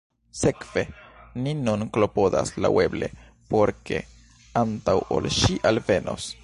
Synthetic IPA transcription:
se̞kv̥e̞ninunklopo̞d̪a̰slawe̞ble̞̰ | po̞ɾke̞̰ | antawo̞̰lʃiʔalve̞nʔo̞̰s

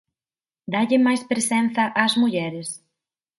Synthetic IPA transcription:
d̪aʎɪmajspɾesɛnθɐʔazmuʎɛɾɪs

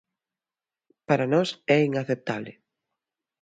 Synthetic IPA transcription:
paɾanɔsɛiŋaθep̚t̪aβlɪ̰

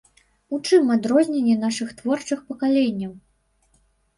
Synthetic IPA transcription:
ut͡ʂɨmad̪ɾɔzʲnʲenʲːɛn̪aʂɨxt̪vɔrt͡ʂɨxpɐkalʲenʲːɐw

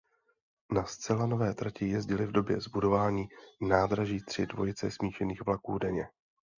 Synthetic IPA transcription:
nast͡sɛlano̞vɛːt̪ɾacɪjɛzɟɪlɪvdo̞bjɛzbudo̞vaːɲiːnaːd̪ɾaʒiːt̪r̝̥ɪdvo̞jɪt͡sɛsmiːʃɛniːɣvlakuːdɛɲɛ

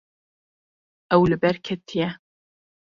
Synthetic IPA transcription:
ʔɛwlɨbɛɾkʲʰɛt̪ʰijɛ

